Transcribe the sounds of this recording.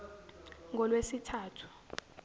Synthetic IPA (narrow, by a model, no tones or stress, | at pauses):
ŋʱɔlwesitʰaːtʰu̥